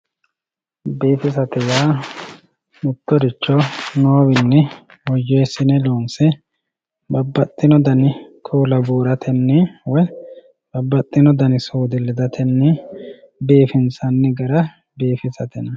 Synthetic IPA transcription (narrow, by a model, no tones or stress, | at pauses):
beːfɪs̬ɐt̪ɛjaː | mʊt̪ːɔɾɪt͡ʃːɔnoːwɪnːɛ | wɔjeːsɪnɛloːnsɛ | bɐbːɐt̪ʼːɪnɔd̪ɐnɪkʰuːlɐbuːɾɐt̪ʰɛnːɛwɔj | b̥ɐbːɐt̪ʼːɪnɔd̪ɐnɪsuːd̪ɪlːɛd̪ɐt̪ʰɛnːɛ | beːfɪnsɐnːɛɡɐɾɐ | beːfɪsɐt̪ɛnɐ